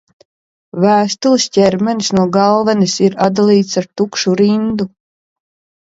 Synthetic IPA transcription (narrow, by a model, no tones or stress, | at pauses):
væːst̪ulˠisʲcʲɛɾmɛnsnuɔɡalˠvɛnisiɾad̪alˠiːt̪saɾt̪ukʃuɾind̪u